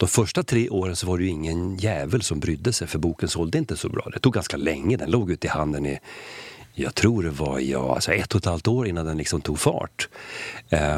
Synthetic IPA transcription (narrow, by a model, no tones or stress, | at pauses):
d̪̥ɔmfœʂʈat̪ʰɾeːʔoːɾənsɔvaɾɛjɵɪŋːənjæːvəlsɔmbɾʏd̪ːəsɛjfœɾbuːkənsɔld̪əɪnt̪əsɔbɾɑ̰ːd̪ɛt̪ʰuːɡanskalɛŋːəd̪ɛnloːɡʉ̟ːt̪ɪhand̪ənɪ | jɑ̰ɡt̪ʰɾuːɖɛva̰jɑ̰ːa̰lsɔɛt̪ːhɔt̪halft̪oːɾɪnːand̪ɛnlɪksɔmt̪ʰuːɡfɑ̰ːʈ